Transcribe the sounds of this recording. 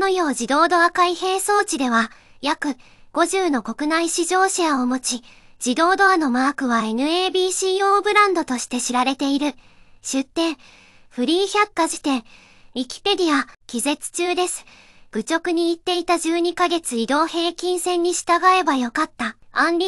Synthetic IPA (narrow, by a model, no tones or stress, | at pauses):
nojo̞ːʑid̪o̞ːd̪o̞akaihe̞ːso̞ːt͡ɕid̪e̞βa | jakɯ̟ | ɡ̥o̞ʑɨːno̞ko̞kɯ̟naiɕiʑo̞ːɕiaomo̞t͡ɕi | d͡ʑ̥id̪o̞ːd̪oano̞maːkɯ̟βae̞nɯ̟e̞ːbʲiːɕiːoːbɯ̟ɾãnd̪o̞t̪o̞ɕi̥t̪e̞ɕiɾaɾe̞t̪e̞iɾɯ̟ | ɕɨt̪ːẽ̞ɰ̃ | ɸɯ̟ɾʲiːçʲakːaʑi̥t̪ẽ̞ɰʲ | ikʲi̥pe̞d̪ʲiakʲize̞t͡sɨ̥t͡ɕɨːd̪e̞sɨ̥ | ɡ̥ɯ̟t͡ɕo̞kɯ̟ɲ̟iːt̪ːe̞it̪aʑɨːɲ̟ikaɡe̞t͡sɨid̪o̞ːhe̞ːkʲĩɰ̃sẽ̞ɲ̟ːiɕi̥t̪aɡae̞bajo̞kat̪ːaãnɾʲi